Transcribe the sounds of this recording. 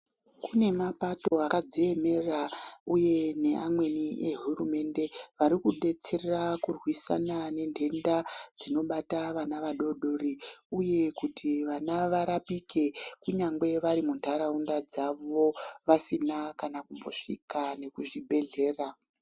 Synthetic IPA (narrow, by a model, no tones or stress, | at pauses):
kune̞mapato̞akad͡zeeme̞rauje̞ne̞ʔamwe̞niʔeɦurume̞nde̞ʋaɾikuɗe̞t͡se̞rerakurwisa̰nane̞ndʱe̞ndad͡zino̞ɓataʋanaʋaɗo̞ɗo̞ɾiuje̞kutʰiʋanaʋaɾapike̞kuɲaŋɡwe̞ʋaɾimuntʰaɾaundad͡zaʋo̞ʋasinakanakumbo̞̰ʂikane̞kuʐibʱe̞ɮe̞ːra